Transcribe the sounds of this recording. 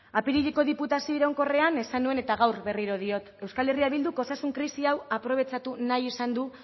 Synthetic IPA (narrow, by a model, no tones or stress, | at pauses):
apiɾiʎeko̞ðiput̪asio̞iɾaŋko̞re̞ane̞sanue̞ne̞t̪aɣawɾβe̞riɾo̞ð̞io̞t̪e̞wskale̞riaβild̪uko̞sasuŋkɾisiawapɾo̞β̞e̞t͡ʃat̪unajisand̪u